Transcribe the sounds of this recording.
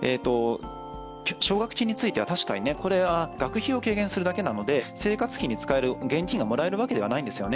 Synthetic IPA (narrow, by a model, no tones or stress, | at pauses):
e̞t̪o̞ | ɕo̞ːɡakɯ̟̥t͡ɕʲiɲ̟it͡sɨit̪e̞βat̪aɕi̥kaɲ̟ine̞ko̞ɾe̞βaɡ̥akɯ̟çio̞ke̞ːɡẽ̞ɰ̃sɨɾɯ̟d̪ake̞nano̞d̪e̞se̞ːkat͡sɨ̥çiɲ̟ːit͡sɨ̥kae̞ɾɯ̟ɡẽ̞ɲ̟kʲiŋɡamo̞ɾae̞ɾɯ̟βake̞d̪e̞anaĩnd̪e̞sɨjo̞ne